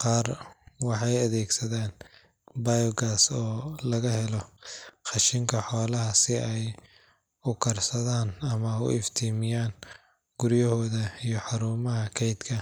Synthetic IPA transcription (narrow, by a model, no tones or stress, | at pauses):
qɑːrwɑħɑjɐðɛːɡsɐðaːn | bajɔɡaːsɔːlɐɣɐɦɛlɔχɑʃɪŋkʰɐħɔːlɐɦɐsɪʔɛj | ʊkʰɐrsɐðaːnɐmɐʊ̰ʔɪft̪ʰiːmɪjaːn | ɡ̥ʊɾjɐhɔːðɐijɞħɑɾuːmɐɦɐkʰɛjd̪kʰɐ